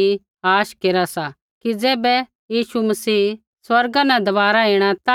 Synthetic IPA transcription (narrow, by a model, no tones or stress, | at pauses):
i | aːʃkeːɾasa | kid͡zɛːbɛ | jiːʃumɐsiː | swɐɾɡãnɛ̃d̪ɐʋaːɾaeːɽ̃at̪a